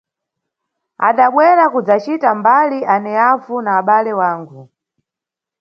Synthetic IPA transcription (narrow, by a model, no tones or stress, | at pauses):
a̰ɗaɓwɛɾakud͡zat͡ʃitambaliʔanɛavunaːɓalɛwaːŋɡu